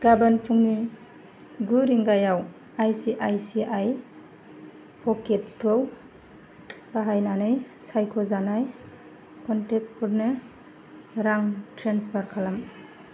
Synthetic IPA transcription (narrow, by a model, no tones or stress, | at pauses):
ɡ̥abanpʰuŋni | ɡuɾiŋɡajaw | ajsiʔajsiʔaj | pʰɔketskʰɯw | baɦajnanɯjsajkʰɔzanaj | kɔntek̚t̚pɔɾnɯ | ɾaŋtʰɾenspʰaɾkʰalam